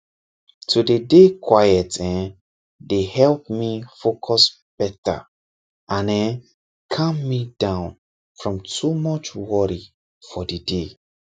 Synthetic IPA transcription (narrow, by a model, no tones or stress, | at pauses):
tʰudedekʰwajɛtɛ̃n | dehɛlp̚mifokʰɔs | b̥ɛta̰ | ʔãnɛ̃n | kʰɔ̃mːidãʊ̃n | fɹɔ̃mtʰumɔt͡ʃwɔɹi | fɔdede